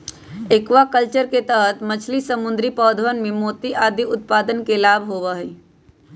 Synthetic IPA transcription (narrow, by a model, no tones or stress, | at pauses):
ekʋakəlt͡ʃəɾket̪əɦət̪mət͡ʃʰlisəmʊ̃nd̪ɾipɔːd̪ʱʋənmẽmoːt̪iʔaːd̪ʱiʊt̪̚paːd̪ənkelaːbʱɦoːʋəɦe